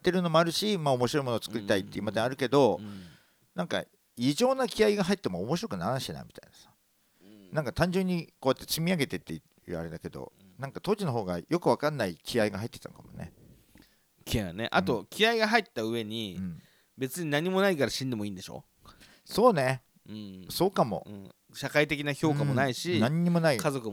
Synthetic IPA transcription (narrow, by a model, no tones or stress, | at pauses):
t̪ːe̞ɾɯ̟no̞moaɾɯ̟ɕimaːomo̞ɕ̬iɾo̞imonot͡sɨ̥kɯ̟ɾʲit̪ait̪ːeimad̪ẽaɾɯ̟ke̞d̪o̞ | nãŋka̰ | iʑo̞ːnakʲiaiɡaɦait̪ːemoːmo̞ɕiɾo̞kɯ̟naɾãɕina̰mʲi̥t̪a̰inasḁ | nãŋkat̪ãɲ̟d͡ʑɨɲ̟ːiko̞ːjat̪ːet͡ɕimʲiaɡe̞t̪e̞t̪ːe | jɯ̟̰ːa̰ɾe̞d̪ake̞d̪o̞̰ | nãŋkat̪o̞ːʑino̞ɦo̞ːɡajo̞kɯ̟βakanːaikʲʰiaiɡaɦait̪ːe̥t̪ã̰ŋkamo̞̰nḛ | kʲiajanḛʔat̪o̞kʲiaiɡaɦait̪ːaɯ̟e̞ɲ̟iɯ̟̃ɴ | be̞t͡sɨɲ̟inaɲ̟ːimo̞naikaɾaɕĩnd̪e̞mo̞ĩːnd̪e̞ɕo̞̰ː | so̞ːne̞ | ɯ̟̃so̞ːkamo̞̰ɯ̰̃ː | ɕakait̪e̞kʲinaço̞ːkamonaiɕinãɲ̟ːimo̞naikazo̞kɯ